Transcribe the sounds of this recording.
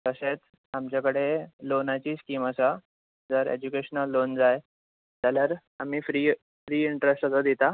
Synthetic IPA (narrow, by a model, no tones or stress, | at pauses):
k̪əɕet͡s | amt͡ɕjakəɽelonat͡ɕiːskiːməsa | d͡zəɾḛd͡ʑukeɕənəlːond͡zaj | d͡zaljaɾ | am̤iːfɾiː | fɾiːiɳʈɾesʈət͡səd̪it̪a